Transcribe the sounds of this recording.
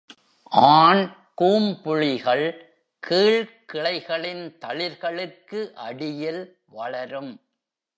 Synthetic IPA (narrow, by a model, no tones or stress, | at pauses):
ʔaːn | kuːmpʊɻɪɣɐɭ | kʰiːɭkɪɭɐɪɣɐɭɪnt̪ɐɭɪɾɣɐɭɯkːɯʔɐ̰ɽɪjɪl | ʋɐɭɐɾɯm